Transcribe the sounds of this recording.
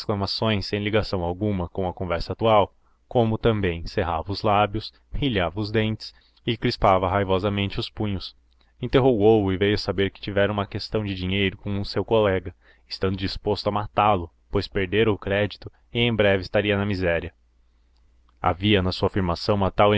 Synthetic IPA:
sklɐmasõj̃sẽj̃liɡasɐ̃w̃awɡũmɐkõw̃ɐkõvɛɾsɐaːt̪uaw | kõmʊt̪ɐ̃mbẽj̃seɦavɐʊzlabjʊs | hiʎavɐʊzd̪ẽnt͡ʃɪ̥s | ɪkɾispavɐɦajvɔzɐmẽnt͡ʃɪʊspũɲʊs | ĩnt̪eɦoɡowʊɪvejʊsabeɾkɪ̥t͡ʃivɛɾɐ̃ũmɐkest̪ɐ̃w̃d͡ʒɪd͡ʒĩɲejɾʊkõw̃ʊsewkolɛɡɐ | ɪst̪ɐ̃nd̪ʊd͡ʒispost̪ʊɐmat̪alʊ | pojspeɾd̪eɾʊkɾɛd͡ʒit̪ʊ | ɪẽj̃bɾɛvɪst̪aɾiɐnɐmizɛɾiɐ | a̰viɐnɐsuɐafiɾmasɐ̃w̃ũmɐt̪awẽ

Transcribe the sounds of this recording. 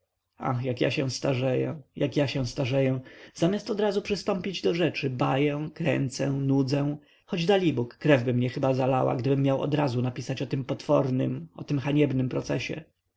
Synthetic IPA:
a̰xjakja̰ɕɛ̃w̃st̪aʐɛjɛ̰jʔakjaɕɛ̃w̃st̪aʐɛjɛ̃z̥amʲjast̪ɔd̪ɾazupʂɘst̪ɔ̃mpʲid͡ʑd̪ɔʐɛt͡ʂɘbajɛw̃kɾɛ̰nt̪sɛ̃nud̪zɛ̃ | xɔd͡ʑd̪alʲibukːɾɛvbɘmɲɛxɘbazala̰wa̰ɡd̪ɘbɘmːjawɔ̰d̪ɾazunapʲisat͡ɕɔt̪ɘmpɔt̪fɔɾnɘ̰mɔt̪ɘmxaɲɛbnɘmpɾɔt̪sɛɕɛ̰

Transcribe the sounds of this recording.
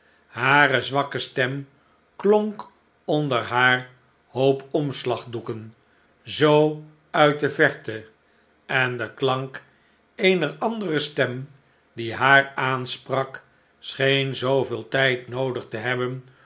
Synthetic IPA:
haːrəzʋɑkəstɛm | kloŋk | ɔndəɹɦaːɹ | howpɔmslɑχdukən | zow | œɥt̚dəvɛɹtə | ɛndəklɑŋk | ejnərɑndərəstɛm | diɦaːɹaːnsprɑk | sχejnzowvɪːlˠtɛjtnowdəχtəɦɛbən

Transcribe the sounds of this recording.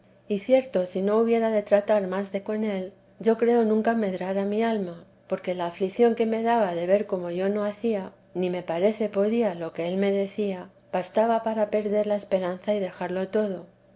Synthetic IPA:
iθje̞ɾt̪o̞sino̞uβje̞ɾaðe̞t̪ɾat̪aɾmazðe̞ko̞ne̞l | ɟ͡ʝo̞kɾe̞o̞nũŋkame̞ðɾaɾamialma | po̞ɾke̞laːfliθjo̞ŋke̞me̞ðaβaðe̞βe̞ɾko̞mo̞ʝo̞no̞aθia | nime̞paɾe̞θe̞po̞ðialo̞ke̞e̞lme̞ðe̞θia | b̥ast̪aβapaɾape̞ɾðe̞ɾlae̞spe̞ɾanθaiðe̞xaɾlo̞t̪o̞ðo̞

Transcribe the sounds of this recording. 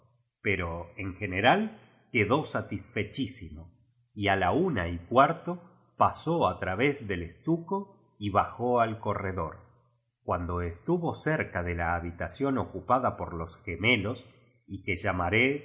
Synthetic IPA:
pe̞ɾo̞eŋxe̞neɾal | keðo̞sat̪isfe̞t͡ʃisimo̞ | ialaunaikwaɾt̪o | pasoat̪ɾaβe̞zðe̞lest̪uko | iβaxo̞alko̞reðo̞ɾ | kwand̪o̞est̪uβo̞seɾkaðe̞laːβit̪asjo̞nokupaðapo̞ɾlo̞sxeme̞lo̞s | ikeʒamaɾe

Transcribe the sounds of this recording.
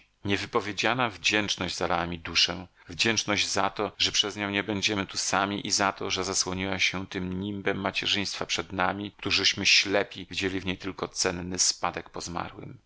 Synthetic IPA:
ɲɛvɘpɔvʲjed͡ʑanavd͡ʑɛnt͡ʂnɔʑd͡ʑzalawamʲid̪uʂɛ̃ | vd͡ʑɛnt͡ʂnɔʑd͡ʑzat̪ɔʐɛpʂɛzɲɔ̃w̃ɲɛbɛɲd͡ʑɛmɘt̪usamʲiʔizat̪ɔʐɛzaswɔɲiwaɕɛt̪ɘmɲimbɛmːat͡ɕɛʐɘj̃st̪fapʂɛd̪namʲikt̪uʐɘɕmɘɕlɛpʲivʲid͡ʑɛlʲivɲejt̪ɘlkɔt̪sɛnːɘspad̪ɛkpɔzma̰ɾwɘ̰m

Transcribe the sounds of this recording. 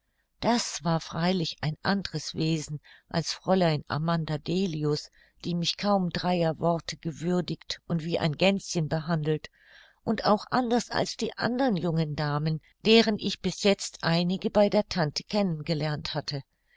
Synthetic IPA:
d̥asv̥aːɐfʁ̥aɪlɪçaɪnʔandəʁəsv̥eːzn̩ʔa̰lsfʁ̥ɔlaɪna̰mandadeːliʊs | d̥iːmɪçkʰaʊmdʁaɪɐvɔɐtʰəɡ̥əvʏɐdɪçtʔʊntv̥iːʔa̰ɪnɡɛnt͡sçənbəɦandl̩t | ʔʊntaʊxʔandɐsa̰lsd̥iːʔa̰ndəʁənjʊŋəndaːmən | d̥eːʁənʔɪçb̥ɪsjɛt͡stʔaɪnɪɡəbaɪdeːɐtʰantʰə̥kʰɛnənɡəlɛɐnthatʰə

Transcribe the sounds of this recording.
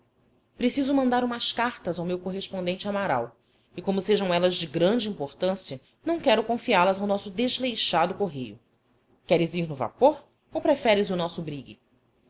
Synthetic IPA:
pɾesizʊmɐ̃nd̪aɾũmɐskaɾt̪ɐzawmewkoɦeʃpõnd̪ẽnt͡ʃɪamaɾa̰w | ɪkõmʊseʒɐ̃w̃ɛlɐzd͡ʒɪɡɾɐ̃nd͡ʒɪĩmpoɾt̪ɐ̃siɐ | nɐ̃w̃kɛɾʊkõfialɐzawnɔsʊd̪eʒlejʃad̪ʊkoɦejʊ̰ | kɛɾɪziɾnʊva̰poɾ | owpɾefɛɾɪzʊnɔsʊbɾiɡɪ̰

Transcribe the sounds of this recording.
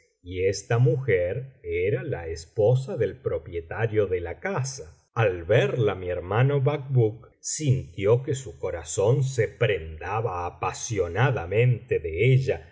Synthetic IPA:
iest̪amuxeɾeɾala̰espo̞s̬aðe̞lpɾo̞pje̞t̪aɾjo̞ðelakasa | alβɛɾlamieɾmano̞βak̚buk̚ | sint̪jokesuko̞ɾaso̞ns̬epɾend̪aβaːpasjo̞naðamẽ̞nt̪eðeeʒa

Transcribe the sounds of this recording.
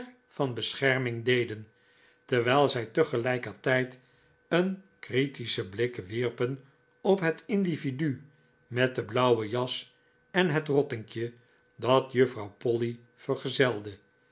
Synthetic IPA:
fɑnbəsχɛɹmɪŋdejdən | tɛɹʋɛːlˠzɛjtəχəlɛjkəɹtɛjt | ən | kritisəblɪkʋirpən | ɔpɦətɪndividy | mɛt̚dəblʌwəjɑs | ɛnɦətrɔtɪŋkjə | dɑtjəfrɑwpɔli | fəɹχəzɛlˠdə

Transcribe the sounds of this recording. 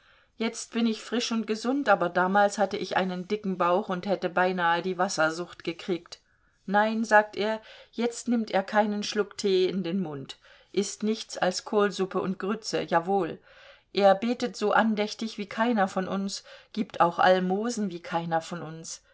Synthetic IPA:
jɛt͡st̚b̥ɪnɪçfʁ̥ɪʃʊnt̚ɡ̥əzʊntʔaːbɐdaːmaːlshatəʔɪçʔa̰ɪnəndɪkŋ̩baʊxʊnthɛtəbaɪnaːədiːvasɐzʊχtɡ̥əkʁ̥iːkt | naɪnzaːk̚tʔeːɐjɛt͡stnɪmteːɐkʰaɪnənʃlʊktʰeːɪndeːnmʊnt | ʔɪstnɪçt͡sa̰lskʰoːlzʊpəʊnt̚ɡ̥ʁʏt͡səjaːvoːl | ʔeːɐbeːtətz̥oːʔandɛçtɪçv̥iːkʰaɪnɐfɔnʔʊnsɡ̥iːptʰa̰ʊxʔa̰lmoːzn̩viːkʰaɪnɐfɔnʊns

